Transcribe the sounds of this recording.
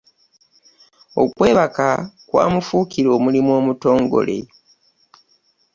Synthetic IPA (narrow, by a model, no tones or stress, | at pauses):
o̞kwe̞ːβakakwa̰ːmufuːkiɾo̞ːmulimwo̞ːmuto̞ːŋɡo̞̰le̞̰